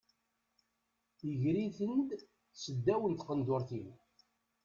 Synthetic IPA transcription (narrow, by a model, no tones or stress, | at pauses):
əʝɾiθənd̪ | səd̪ːæwənt̪qənd̪ʊɾθin